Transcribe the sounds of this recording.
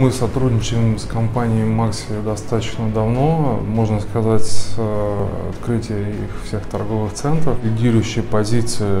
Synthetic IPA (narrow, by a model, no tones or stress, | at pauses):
mɨsɐt̪ɾudʲnʲɪt͡ɕɪsɪɪmskɐmpanʲɪɪmaksʲɪd̪ɐst̪at̪ət͡ɕnəd̪ɐvno̞mo̞ʐnəskɐzatʲs | ɐ̰t̪kɾɨtʲɪjəixfsʲe̞xt̪ɐrɡo̞vɨxt̪sɛnt̪ɾəflʲɪdʲiɾʊjʊɕːɪjpɐzʲit̪sɨɪ